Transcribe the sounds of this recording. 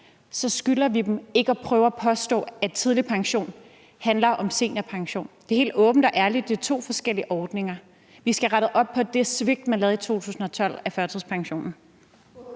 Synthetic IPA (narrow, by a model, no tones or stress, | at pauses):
sɒ̽sɡ̥ylɐʋid̥eme̝ɡ̥əɒpʰʁœːʊɐæpʰɒ̽sd̥ɔ̰̽ːæt͡sʰið̞ˠlipʰɑ̈ŋɕo̝̰ːn | hænlɐʔɒ̽mse̝̰ːnæpʰɑ̈ŋɕo̝̰ːnd̥e̝ɐhe̝ːld̥ɔːb̥n̩d̥ɒ̽ʔæɐlid̥e̝ɐt͡sʰo̝̰ːfɒ̽sɡ̥el̰iəʔɒːd̥ne̝ŋɐ | ʋisɡ̥æʁaɾ̥ð̩ˠʔɒ̽b̥̚pʰɒ̽d̥e̝sʋe̝ɡ̥̚d̥mænlɛːð̩ˠit͡sʰo̝̰ːt͡sʰṵːsn̩ɒ̽t͡sʰɒ̽l̰æfɶɐt͡sʰið̰ˠspʰɑ̈ŋɕo̝̰ːnn̩